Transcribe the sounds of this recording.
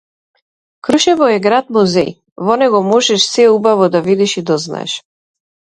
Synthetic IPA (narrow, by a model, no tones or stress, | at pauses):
kɾuʃɛvɔɛɡɾat̪̚mɔzɛj | vɔnɛɡɔmɔʒɛʃsɛubavɔd̪avid̪ɛʃid̪ɔzna̰ɛ̰ʃ